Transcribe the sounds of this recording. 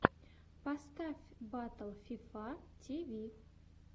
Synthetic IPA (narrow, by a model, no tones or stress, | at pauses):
pɐst̪afʲbat̪əlˠfʲifatʲʰivʲi